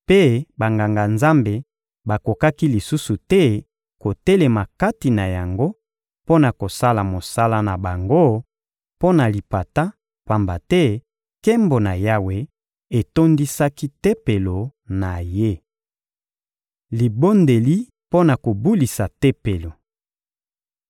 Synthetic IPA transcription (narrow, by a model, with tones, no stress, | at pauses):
pe˦ba˨ŋɡa˨ŋɡa˨nza˦mbe˨ | ba˨ko˨ka˦ki˦li˨su˦su˨tɛ˦ | ko˨tɛ˦le˨ma˨ka˦ti˨na˨ja˨ŋɡo˦ | po˦na˨ko˨sa˦la˨mo˨sa˦la˦na˨ba˨ŋɡo˦ | po˦na˨li˨pa˨ta˦ | pa˨mba˨tɛ˦ | ke˦mbo˨na˨ja˦we˨ | e˨to˦ndi˦sa˦ki˦te˦pe˨lo˨na˨je˦ | li˨bo˦nde˨li˦ | po˦na˨ko˨bu˦li˨sa˨te˦pe˨lo˨